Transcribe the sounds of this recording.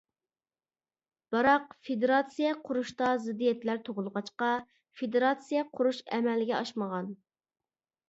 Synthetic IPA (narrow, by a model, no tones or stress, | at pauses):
b̥ɑɾɑqfed̪eɾɑt̪sijɛqʰʊɾuʃt̪ɑzɪd̪ːijɛt̪læɾt̪ʰoʁʊlˠəʁɑt͡ʃqɑ | fed̪eɾɑt̪sijɛqʰʊɾuʃɛ̰mɛlɪɡʲɛɑʃməʁɑn